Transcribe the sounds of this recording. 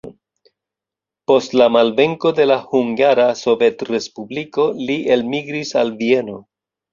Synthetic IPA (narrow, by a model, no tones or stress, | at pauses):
po̞stlamalve̞ŋko̞de̞lahuŋɡaɾaso̞ve̞tre̞spubliko̞liʔe̞lmiɡɾisalvie̞no̞